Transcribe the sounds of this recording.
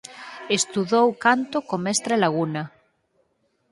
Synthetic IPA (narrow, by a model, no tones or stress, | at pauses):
est̪uðowkant̪okomest̪ɾalaɣuna